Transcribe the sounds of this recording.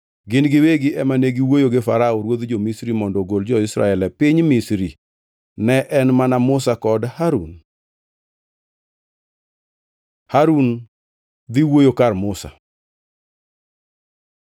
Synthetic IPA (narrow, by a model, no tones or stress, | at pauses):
ɡɪnɡɪweɡɪʔɛmaneɡɪwojoɡɪfaɾaɔɾwod̪d͡ʒomisɾimɔndɔɡold͡ʒɔɪsɾa̰ɛlɛpɪɲmisɾi | nɛʔɛnmanamʊsakɔdhaɾṵn | haɾun | d̪iwojokarmʊsa̰